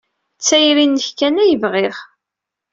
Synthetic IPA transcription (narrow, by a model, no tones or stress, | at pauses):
t͡sːæjɾinːəçkænæjəvʁɪʁ